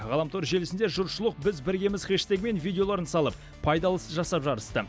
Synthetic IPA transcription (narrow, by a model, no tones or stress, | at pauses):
ʁɑlˠɑmt̪ʰoɾʒe̞lɪsɪnd̪eʒʊɾʃʊlˠəq̚bɪzbɪɾɡʲe̞mɪz̥χʲeʃt̪eɡʲɪme̞nvijd̪ʲeo̞lˠɑɾənsɑlˠəp | pʰɑjd̪ɑlˠəsəzʒɑsɑpʒɑɾəst̪ə